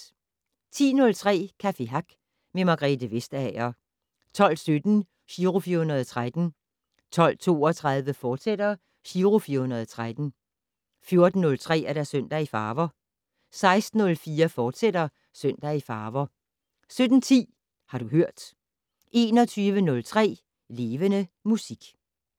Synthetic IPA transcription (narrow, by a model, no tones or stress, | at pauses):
t͡sʰḭːnɔ̽lt͡sʰʁɛ̰ːkʰæfe̝ɦɑ̈ɡ̥ | memɑ̈ɡ̥ʁɛd̥əʋe̝sd̥ɛɐ | t͡sʰɒ̽l̰sød̥n̩ | ɕiːʁofiːɐhunɐðˠt͡sʰʁad̥n̩ | t͡sʰɒ̽l̰t͡sʰo̝̰ːɒt͡sʰʁað̞ˠʋəfɒːd̥sed̥ɐ | ɕiːʁofiːɐhunɐð̞ˠt͡sʰʁad̥n̩ | fjo̝ɐd̥n̩ːɔ̽lt͡sʰʁɛ̰ːæɐɾæsøn̰d̥æifɑ̈ːʋɐ | sɑ̈ɪsd̥n̩ɔ̽lfiːɐfɒːd̥seɾɐ | søn̰d̥æifɑ̈ːʋɐ | sød̥n̩t͡sʰḭː | hɑ̈ɾ̥uhøɐ̰d̥ | ʔe̝ːnɒ̽t͡sʰyːʋənɔ̽lt͡sʰʁɛ̰ː | le̝ːʋənəmusiɡ̥